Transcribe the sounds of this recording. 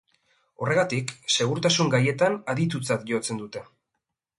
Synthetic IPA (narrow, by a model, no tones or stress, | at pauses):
o̞re̞ɣat̪ikse̞ɣ̞uɾt̪asuŋɡaje̞t̪anaðit̪ut͡sat̪ʝo̞t͡se̞nd̪ut̪e̞